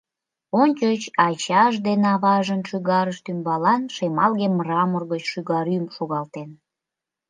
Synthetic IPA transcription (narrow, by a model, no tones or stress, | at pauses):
onʲt͡ɕət͡ɕɑt͡ɕɑʃd̪enɑβɑʒənʃyɣɑɾəʃt̪ymbɑlɑnʃemɑlɣemːrɑmərɣət͡ɕʃyɣɑɾymʃoɣɑlt̪en